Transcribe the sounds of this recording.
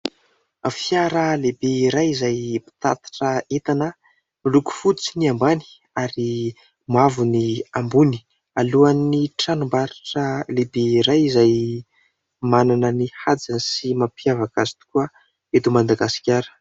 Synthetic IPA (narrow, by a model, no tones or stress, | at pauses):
afjaɾəlebeiɾajizajpi̥t̪a̰t̪ḁʈ͡ʂəet̪anə | miluku̥fut͡siniambani̥ | aɾi | mavuniambuni̥ | aluanːiʈ͡ʂanumbaɾaʈ͡ʂəlebeiɾajizaj | mananənihad͡zanisimapjavakazi̥t̪u̥kuə | et̪umand̪aɡasi̥kʲaɾə̥